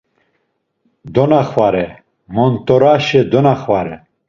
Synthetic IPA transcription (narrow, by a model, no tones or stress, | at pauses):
d̪onaχwaɾɛ | mont̪ɔɾaʃed̪onaχwaɾɛ